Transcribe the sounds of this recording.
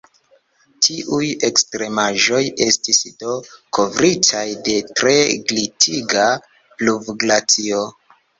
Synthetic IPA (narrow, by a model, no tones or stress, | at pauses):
tʰiʔuje̞kstɾe̞maʒo̞je̞stisdo̞kʰo̞vɾitʰajde̞tɾe̞ɡlitʰiɡa | plubɡlat͡sio̞